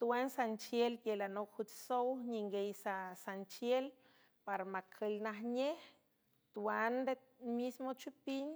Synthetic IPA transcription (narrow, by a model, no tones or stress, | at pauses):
t̪uwansant͡ʃjelkelanokhut͡ʃsowɲiŋɡejsasant͡ʃjel | paɾamakʰelnaɦɲeh | t̪uand̪e | mismot͡ʃupiɲ